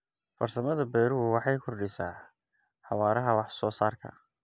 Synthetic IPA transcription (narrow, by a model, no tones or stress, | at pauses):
fɐrsɐmɐðɐbɛːɾʊwɑħɑjkʰɔrɖɪsaː | ħɑwaːɾɐɦɐwɑħsɔːsaːrkʰɐ̰